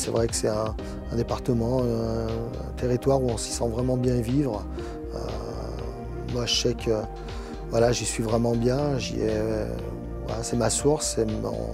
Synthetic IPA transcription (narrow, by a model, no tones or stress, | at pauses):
sɛvʁɛkə̥sɛt̪ɛ̃ | ɛ̃d̪epaʁt̪əmɑ̃ | t̪ʰeʁit̪waʁuɔ̃sə̥sɑ̃vʁɛmɑ̃bjɛ̃vivʁ | ø̰ | mwaʒəsɛkʰø | vwalaʒisɥivʁɛmɑ̃bjɛ̃ʒḭɛ̰ | va̰lasɛmasuʁsːɛmɔ̰̃